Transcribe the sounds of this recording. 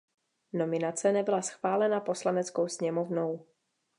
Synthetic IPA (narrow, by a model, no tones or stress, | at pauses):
no̞mɪnat͡sɛnɛbɪlasxv̥aːlɛnapo̞slanɛt͡skowsɲɛmovnow